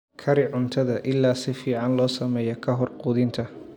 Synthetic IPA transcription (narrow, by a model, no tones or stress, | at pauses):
kʰɐɾɪʕʊnt̪ʰɐðɐʔɪlːaːsɪfiːʕɑnlɔːsɐmɛːjɔkʰɐɦɔrqʊːðɪnt̪ʰɐ